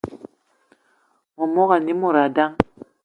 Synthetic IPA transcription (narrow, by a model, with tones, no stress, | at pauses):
mo˨mo˦ɣa˨ni˦mo˨ɾa˨da˦ŋ